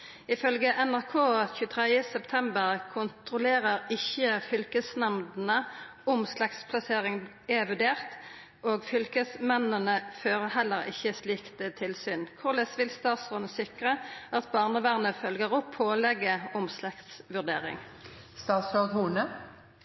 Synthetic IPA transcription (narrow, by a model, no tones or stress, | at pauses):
ɪfœlɡəʔɛnæʁkʰoːçʉːət̪ʰʁɛd̪əsɛpt̪ʰɛmbəʁkʰʊnt̪ʁʊleːʁəʁɪçːəfʏlkəsnɑmd̪n̩ə | ʊmslɑkt̪spʰlɑseːʁɪŋ | eʋʉd̪eːʁt̪ | ʔoːɡfʏlkəsmɛnənəføːʁəhɛlːəʁɪ̰çːəsliːkt̪ət̪ʰɪlsyːnkʰʊʁlɛsʋɪlst̪ɑːt̪sʁɔnsɪkʁəɑt̪bɑːʁnəʋæʁnəfœlɡəʁɔpʰoːlɛɡəʊmslɑkt̪sʋʉʁd̪ḛːʁɪ̰ŋ | st̪ɑːsoɡhuːnə